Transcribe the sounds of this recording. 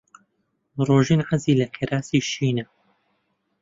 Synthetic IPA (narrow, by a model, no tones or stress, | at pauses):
roːʒiːnʕaziːlɐkʰeɾaːsiʃiːnɐ